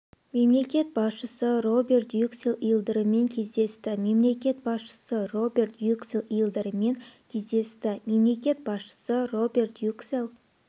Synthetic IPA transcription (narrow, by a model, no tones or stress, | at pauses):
me̞mle̞kʲe̞t̪̚bɑsʃəsəro̞be̞rt̪jukselˠijəlˠd̪əɾəme̞ŋkʲʰe̞zd̪e̞st̪ɪme̞mle̞kʲe̞t̪̚bɑsʃə̥səro̞bʲe̞rt̪jukselˠijəlˠd̪əɾəme̞ŋkʲʰe̞zd̪e̞st̪ɪme̞mle̞kʲe̞t̪̚bɑsʃə̥səro̞be̞rt̪jukselˠ